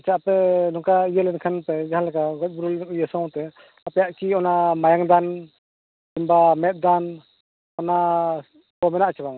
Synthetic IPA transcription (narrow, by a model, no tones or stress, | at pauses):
t͡ʃapɛnɔŋkaijəlɛnkʰanpad͡ʒaɦanlakaɡɔc̚buɾulijəsawt̪ɛ | apɛjaʔkiɔnamajaŋd̪an | kimbamɛt̪̚d̪an | ɔna | pɔmɛnaʔt͡ʃabaŋ